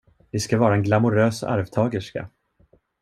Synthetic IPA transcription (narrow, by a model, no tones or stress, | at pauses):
d̪ɪskavɑːɾaɛnɡlamʊɾøːsa̰ɾvt̪ʰɑːɡəʂka̰